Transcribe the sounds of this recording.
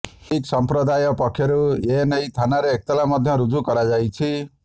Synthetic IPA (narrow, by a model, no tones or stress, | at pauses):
iksɔmpɾɔd̪ajɔpɔkʰjeɾuenejt̪ʰanaɾeːk̚t̪ɔlamɔd̪ʱjɔɾud͡ʒukɔɾad͡ʒajt͡ʃʰi